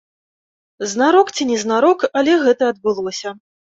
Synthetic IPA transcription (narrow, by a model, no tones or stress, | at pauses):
znaɾɔkt͡sʲinʲɛznaɾɔkɐlʲɛɣɛt̪ɐɐd̪bɨlˠɔsʲɐ